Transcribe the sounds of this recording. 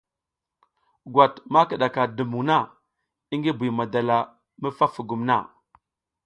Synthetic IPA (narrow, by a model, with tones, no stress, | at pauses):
ɡwa˨tma˦kə˨ɗa˨ka˨də˨mu˨ŋna˦˨ | i˦ŋɡi˦bu˨ma˨da˨la˨ | mə˦fa˦fu˨ɡu˨mna̰˦˨